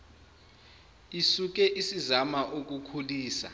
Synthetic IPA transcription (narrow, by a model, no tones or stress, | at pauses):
isuk̬ʼɛʔisizamaʔok̬ʼukʰuliːsa̰